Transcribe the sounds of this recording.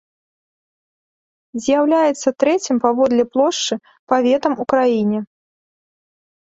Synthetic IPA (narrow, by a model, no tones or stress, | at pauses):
zʲjawlʲajɛt̪sːɐt̪ɾɛt͡sʲimpavɔd̪lʲɛplˠɔʂt͡ʂɨ | pavʲɛt̪ɐmukɾajinʲɛ